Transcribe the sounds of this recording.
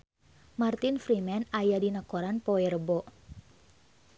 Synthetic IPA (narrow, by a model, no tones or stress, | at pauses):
mart̪infɾimɛnajadinakoɾanpɔɛrəbɔ